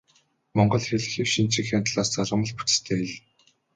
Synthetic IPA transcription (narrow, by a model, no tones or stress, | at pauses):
mɔɴɢɞ̆ɮxeɮ̆xĭːwʃint͡ɕĭkxʲant̪ɮaːst͡saɮʁə̆mə̆ɮpu̥t͡st̪ʰeːeɮ